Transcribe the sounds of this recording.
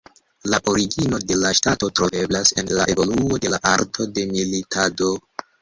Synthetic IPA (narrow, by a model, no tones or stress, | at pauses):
laʔo̞ɾiɡino̞de̞laʃtato̞tɾo̞ve̞blase̞̰nla̰ʔe̞vo̞luo̞de̞laʔaɾtʰo̞de̞militʰado̞